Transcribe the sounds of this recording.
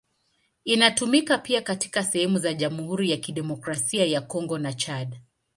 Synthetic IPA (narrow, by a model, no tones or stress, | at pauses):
inatumikapiakati̥kasɛhɛmuzaʄamuhuɾijakiɗɛmɔkɾasiajakɔŋɡɔnat͡ʃaɗ